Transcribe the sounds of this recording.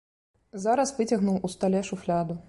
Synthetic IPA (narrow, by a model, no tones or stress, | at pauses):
zaɾɐsvɨt͡sʲɐɣnuwust̪alʲɛʂuflʲad̪u